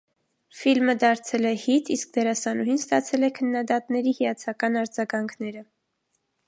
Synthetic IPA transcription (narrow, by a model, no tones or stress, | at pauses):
filməd̪ɑɾt͡sʰɛlɛhit̪isk̚d̪ɛɾɑsɑnuɦinst̪ɑt͡sʰɛlɛkʰənːɑd̪ɑt̪nɛɾihijɑt͡sʰɑkɑnɑɾd͡zɑɡɑŋkʰnɛɾə